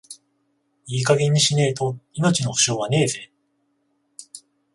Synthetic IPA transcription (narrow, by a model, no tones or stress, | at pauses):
iːkaɡe̞ɲ̟ːiɕine̞ːt̪o̞ino̞t͡ɕino̞ho̟̥ɕo̞ːβane̞ːze̞ː